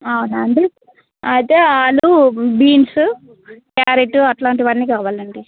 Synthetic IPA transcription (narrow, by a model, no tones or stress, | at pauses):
ɐwunaɐɳɖi | ɐjt̪eːaːlubiːnsu | kjaːɾiʈuɐʈlaːɳʈiʋɐnːiːkaːʋaːlɐɳɖi